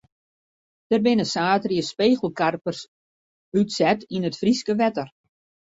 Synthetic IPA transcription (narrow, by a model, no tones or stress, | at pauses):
d̥ərbɪnəsaːtrjəspeːɣəl̩ˠkarpərs | ytsɛtinətfriskəʋɛtər